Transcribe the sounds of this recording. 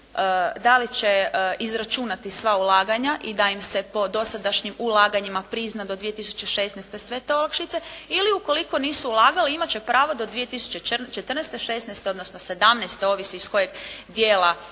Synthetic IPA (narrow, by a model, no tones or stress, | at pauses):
əd̪alit͡ɕe̞izɾat͡ʃunat̪isʋaulaːɡaɲaʔid̪aimse̞po̞d̪o̞sad̪aʃɲimulˠaːɡaɲimapɾiznad̪o̞d̪ʋijet̪isu̥t͡ɕe̞ʃe̞ːsnejst̪esʋe̞t̪eolˠakʃit̪se̞iliuko̞liko̞niːsuulˠaːɡaliimat͡ɕe̞pɾaːʋo̞d̪o̞d̪ʋije̞t̪isu̥t͡ɕe̞t͡ʃt͡ʃet̪ɾrnest̪e̞ʃe̞ːsnejst̪eo̞d̪nosnose̞d̪amnejst̪eo̞ːʋisiisko̞jeɡd̪jeːla